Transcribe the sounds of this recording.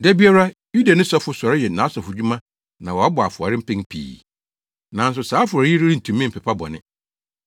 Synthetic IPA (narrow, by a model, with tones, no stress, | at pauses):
dæ˦bi˦a˦ɾa˦ju˦da˨nɪ̃˦sɔ˦fʊ˦sɔ˨ɾɪ˦jɛ˨nã˨˦sɔ˨fʊ˨d͡ʑᶣu˦mã˦ | nã˨wɔ˨a˦bʊ˨a˨fʊ˨a̰˨ɾɪ˦m̩˦pɪ̃˦ŋpʰḭː˨ | nã˨n̩˦s̬ʊ˨saː˨˦fʊ˨a˨˦i˦ɾi˦ɾi˦n̩˨tʰũ˨mːĩ˦m̩˨pʰɛ˨pʰa˦bɔ̰˨nɪ̰̃˦